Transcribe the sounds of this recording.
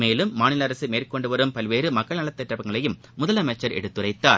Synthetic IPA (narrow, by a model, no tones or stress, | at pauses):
meːlɯmːaːnɪlɐɐɾɐsɯmeːrkɔɳɖɯʋɐɾɯmpɐlʋeːɾɯmɐkːɐɭnɐlɐt̪ːɐʈːɐʋɐŋɡɐɭɐjɯmːʊðɐlɐmɛt͡ʃːɐɾɛ̰ɽɯt̪ːɯrɐɪt̪ːaːɾ